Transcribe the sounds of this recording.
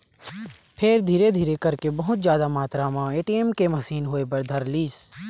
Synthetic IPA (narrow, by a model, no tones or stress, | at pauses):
pʰeːɾd̪ʱiːɾed̪ʱiːɾekɐɾkebɐɦʊt̪zjaːd̪amaːt̪ɾamãːeːʈiemkemɐsiːnɦoːep̬ɐɾd̪ʱɐɾliːs